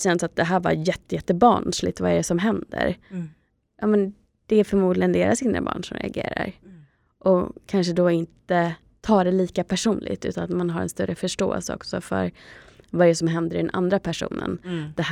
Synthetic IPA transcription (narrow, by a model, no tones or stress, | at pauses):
sɛnsat̪̚d̪ɛɦæːɾva̰ɾjɛt̪ːəjɛt̪ːəbɑːɳʂlɪt̪vaɛɖɛsɔmɦɛnd̪ə̰ɾ | jɑːmɛn | d̪̥ɛfœɾmuːd̪lɪɡənd̪eːɾasɪnd̪ɾə̰bɑ̰ːɳʂɔmɾɛ̰aɡḛːɾa̰ɾ | ʔɔkʰanʂəd̪ɔɪnt̪ə | t̪ʰɑːɖɛliːkapʰæʂuːnlʔɪ̰ɡt̪ʉ̟ːt̪anat̪manɦaɾɛ̰nst̪œɾːəfœʂʈo̰ːɛ̰lsəɔ̰ksɔfœ̰ɾvaɛɖəsɔmɦɛnd̪əɾɪɖɛnʔa̰nd̪ɾapʰæʂṵːnə̰nd̪̥ɛh